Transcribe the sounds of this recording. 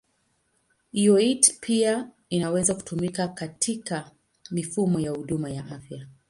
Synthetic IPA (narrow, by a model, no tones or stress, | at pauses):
iɔitpʰia | inawɛzaku̥tumikakatʰika | mifumɔjahuɗumajaʔafja